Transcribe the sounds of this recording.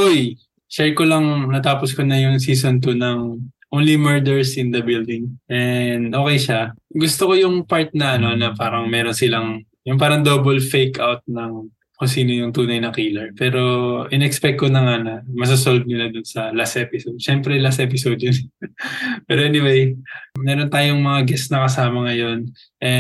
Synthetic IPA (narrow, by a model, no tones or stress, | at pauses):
ʔoj | ʃɛɹkolɐŋnɐt̪aːposkonɐjʊŋsiːsont̪ʊnɐŋʔoːnlimɛɹd̪ɛɹsʔɪnd̪ɐbild̪ɪŋʔɛnd̪ʔoːkɛjʃaɡʊst̪oko̞jʊŋpaɹt̪̚nɐʔɐno̞ɐnɐpaːɾɐŋmɛːɾonsɪlɐŋ | jʊŋp̬aːɾɐŋd̪obolfejkawt̪̚nɐŋ | kʊnsiːno̞jʊŋt̪uːnɐjnɐkiːlɐɹpɛːɾo̞ʔɪnɛɛkspɛk̚t̪konɐŋanɐmɐs̬ʊs̬olv̚nɪlad̪ʊnsɐlasʔɛːpɪsod̪̚ʃɛmpɾɛlasʔɛːp̬ɪsowd̪̚jʊn | pɛːɾoʔɛnɪwejmɛːɾo̞nt̪aːjoŋmɐŋaɡɛsnɐkɐsaːmɐŋɐjo̞n | ʔɛ